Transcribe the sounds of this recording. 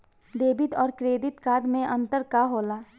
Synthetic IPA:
d̪eːbɪt̪ɔːɾkɾeːd̪ɪt̪kaːd̪mẽʔə̃nt̪əɾkaɦoːlaː

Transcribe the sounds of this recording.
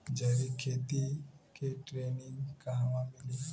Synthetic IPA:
d͡ʒɐɾikʰeːt̪ikeʈɾeːnɪ̃ŋɡkaɦʋãmɪli

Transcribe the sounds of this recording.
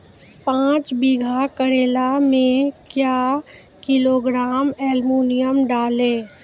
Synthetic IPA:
pãːt͡ʃbiɡʱakəɾeːlamẽkjaː | kɪloːɡɾaːmɛːlmuːnɪjəmɖaːlẽː

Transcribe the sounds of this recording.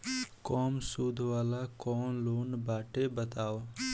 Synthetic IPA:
kɔːmsuːd̪ʱʋaːlaːkɔːmloːnbaːʈebət̪aːo

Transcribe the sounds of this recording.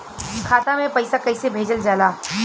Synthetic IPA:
kʰaːt̪amẽpɐɪsakɐɪsebʱeːd͡ʒəld͡ʒaːlaː

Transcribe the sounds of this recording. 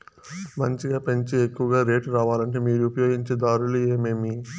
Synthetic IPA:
mɐɲt͡ʃiɡaːpeɲt͡ʃiekːuʋɐɡaːɾe̞ːʈɾaːʋaːlɐɳʈe̞ːmiːɾuupɐjo̞ːɡiɲt͡ʃeːd̪aːɾulueːme̞ːmi

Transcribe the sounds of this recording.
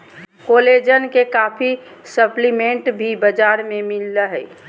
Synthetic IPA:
koled͡ʒənkekapʰi | səplimẽɳʈbʱibəd͡ʒaɾmemilːəɦə

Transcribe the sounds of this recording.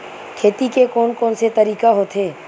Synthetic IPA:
kʰeːt̪ikekɔːnkɔːnset̪ɐɾiːkaɦoːt̪ʰɦeː

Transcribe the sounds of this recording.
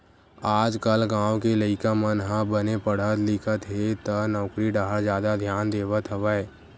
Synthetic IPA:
aːd͡ʒkəlɡãːwkeləɪkamənɦãbənepəɽ̤ət̪lɪkʰət̪ɦet̪ənɔʊkɾiɖaɦəɾzjaːd̪ad̪ʱjaːnd̪eːʋət̪ʰəʋaːeː

